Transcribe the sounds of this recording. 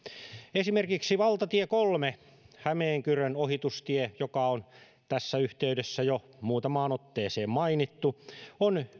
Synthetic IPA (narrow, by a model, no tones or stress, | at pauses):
esimerkiksiʋɑlt̪ɑt̪iekolme | hæmeːŋkyrønohit̪ust̪iejokɑon | t̪æsːæyht̪eydesːæjo | muːt̪ɑmɑːnot̪ːeːseːmmɑinit̪ːuon